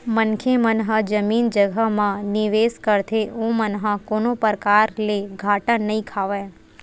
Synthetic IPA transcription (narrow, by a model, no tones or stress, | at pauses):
mənkʰemənɦəd͡ʒəmiːnd͡ʒəɡʱəmãnɪʋeskəɾt̪ʰeõmənɦə̃konopəɾkaɾleɡʱaʈənəĩkʰaʋẽ